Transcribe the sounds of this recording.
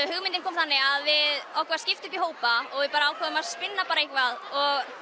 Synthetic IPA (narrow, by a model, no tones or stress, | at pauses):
hʏɣmɪnt̪ɪnkʰɔːmθanːɪɣaðvɪðɔwkvaɾscɪft̪ʏmpiɦoːwpaɔɣvɪðpaːɾaaːwkʰaːðʏmaðspɪnːapaːɾaejhkvaðɔɣ